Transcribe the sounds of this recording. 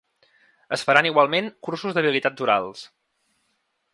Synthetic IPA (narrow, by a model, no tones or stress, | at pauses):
əsfəɾaniɣwalˠmeŋkursuzðəβ̞ilit̪atuɾa̰lˠs